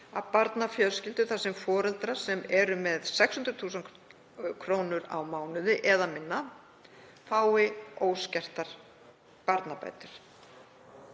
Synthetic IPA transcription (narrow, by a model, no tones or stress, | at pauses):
a̰ðpaɾt̪nafjœðscɪlt̪ʏ̥θasɪmfɔːɾɛlt̪ɾḁsɛmɛɾʏmɛðsɛkshʏnt̪ɾʏ̥θuːsan | kʰɾoːwnʏɾa̰wmaːwnʏðɪʔɛðamɪnːa | faːwɪoːwscɛr̥t̪aɾ̥ | paɾt̪napa̰ːjt̪ʏɾ̥